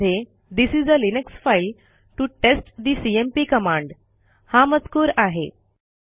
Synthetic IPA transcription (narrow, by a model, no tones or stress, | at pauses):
e | d̪isizəlineksfajl | ʈuʈesʈd̪isiempiːkəmãɳɖ | hãmət͡skuːɾaɦe